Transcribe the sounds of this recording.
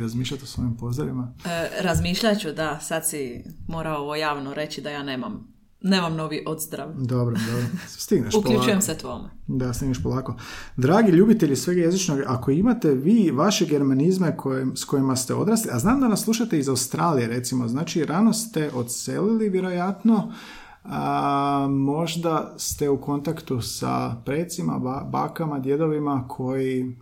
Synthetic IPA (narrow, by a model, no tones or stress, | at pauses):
ɾazmiːʃlʎat̪osʋo̞impo̞zd̪ɾaʋimaɾazmiːʃʎat͡ɕud̪asad̪simoːɾaoʋojaːʋnoɾe̞t͡ɕid̪ajaːnemam | nemamno̞ʋiʔod̪zd̪ɾaʋd̪o̞bɾod̪obɾost̪iɡnaʃukpolʎut͡ʃujemset̪ʋoːmed̪ast̪iɡneʃpolˠaːko̞d̪ɾaːɡiʎuːbit̪e̞ʎisʋe̞ɡaje̞zit͡ʃnoɡako̞imat̪e̞ʋiːʋaʃeɡe̞ɾmanizme̞kʰosko̞jimast̪e̞o̞̰d̪ɾaːsliaznaːmd̪anaslˠuʃat̪eizaust̪ɾaːlije̞ɾe̞t̪simoznaːt͡ʃiɾano̞st̪e̞ʔo̞t̪sḛliliʋje̞ɾo̞jat̪no̞ | ə | mo̞ʒd̪ast̪e̞uko̞nt̪akt̪usa̰pɾeːt̪sima̰aba̰ːkamad̪je̞d̪o̞ʋimakʰo̞ji